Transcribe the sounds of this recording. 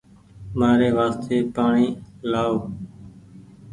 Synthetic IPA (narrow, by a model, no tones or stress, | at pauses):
maːɾeːʋaːst̪ʰeːpaːɳiːlaːoː